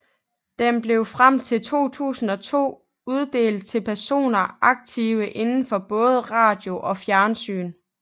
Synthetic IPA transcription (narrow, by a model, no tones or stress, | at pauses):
d̥emb̥le̝ʊfʁam̰t͡sʰe̝lt͡sʰo̝̰ːt͡sʰṵːsn̩ɒ̽t͡sʰo̝̰ː | uð̞ˠd̥e̝̰ːld̥̚t͡sʰe̝lpʰæɐso̝̰ːnɐʔɑ̈ɡ̥̚t͡sʰiːʊəʔe̝nn̩fɒ̽b̥ɔ̽ːð̞ˠəʁɑ̰̈ːd̥jo̝ʔɒ̽fjæɐnsy̰ːn